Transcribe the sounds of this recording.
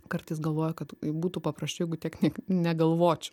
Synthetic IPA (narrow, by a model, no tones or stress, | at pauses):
kɐrt̪ɐɪs̬ɡɐlˠʋoːjɛkɐt̪buːt̪upɐpɾɐsʲt͡ʃʲʊɛɡʊt̪ʲiɛknʲɛnʲɛɡɐlˠʋoːt͡ʃʲʊ